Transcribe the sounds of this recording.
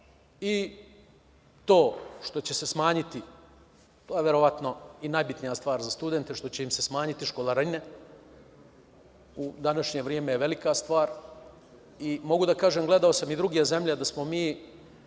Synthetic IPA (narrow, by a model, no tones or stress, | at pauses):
i | t̪o̞ːʃt̪o̞t͡ɕe̞se̞smaːɲit̪i | t̪oːjeʋe̞ɾo̞ʋat̪no̞inajbit̪nijast̪ʋaːɾzast̪ud̪ent̪e̞ʃt̪o̞t͡ɕe̞imse̞smaːɲit̪iʃko̞laɾine | ud̪anaʃɲeʋɾiemejeʋe̞likast̪ʋaːɾ | imo̞ɡud̪akaːʒeːmɡle̞d̪aosamid̪ɾuɡijeze̞mʎed̪asmo̞miː